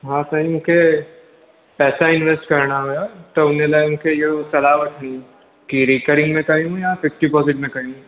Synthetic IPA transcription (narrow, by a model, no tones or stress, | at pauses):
ɦãːt̪ɐĩʊ̃ke | pɛːsaɪnʋesʈkɐɾnaɦoːjat̪oʊnẽlaʊ̃kejeosɐlaːʋəʈʰɛni | kiɾiːkəɾɪ̃ŋɡmẽkɐɦĩjapʰɪfʈipɔːsɪʈ̚mẽkɐɦiũ